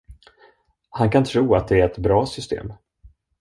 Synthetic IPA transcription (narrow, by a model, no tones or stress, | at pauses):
hankʰant̪ʰɾuːat̪̚d̪ɛæɾɛt̪bɾɑːsʏst̪ʰḛːm